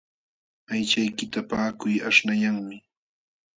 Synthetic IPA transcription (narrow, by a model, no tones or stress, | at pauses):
ajt͡ʃajkɪt̪apaːkʊjaʂnajaŋmɪ